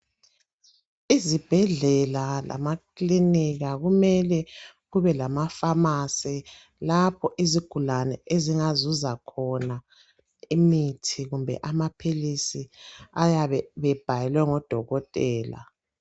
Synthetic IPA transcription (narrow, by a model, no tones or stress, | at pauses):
izib̥ʱɛɮɛlala̰makliniɣaɣumɛlɛ | ɣuβɛlamafamasɛ | lapʰɔʔiziɡ̥ʱulanɛeziŋazuzakʰɔna | imitʰiɣumbʱɛ̰ʔamapʰilisiajaβɛβɛb̥ʱajɛlwɛŋɔd̥ʱɔɣɔtʼɛːla̰